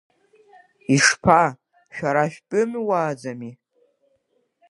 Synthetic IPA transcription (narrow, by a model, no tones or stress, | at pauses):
iʂpʰa | ʃᶣaɾaʃᶣpʼɨmwaːd͡zami